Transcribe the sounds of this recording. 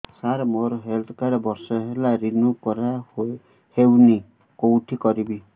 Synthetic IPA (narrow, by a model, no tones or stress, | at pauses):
saɾɔmoɾɔɦelt̪ʰɔkaɾɔbɔɾsɔɦelaɾinukɔɾa | hewni | kowʈʰikɔɾibi